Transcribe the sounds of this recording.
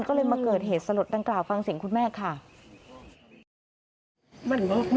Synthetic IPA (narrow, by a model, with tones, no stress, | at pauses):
nkɔː˥˩lɤː˧jmaː˧kɤː˨˩t̪̚heː˨˩t̪̚sa˧lo˨˩t̪̚daː˧ŋklaː˨˩wfa˧ŋsi˨˩˦ŋkʰu˧nmɛː˥˩kʰa˥˩ | ma˧˩nbɔ˦˥k̚m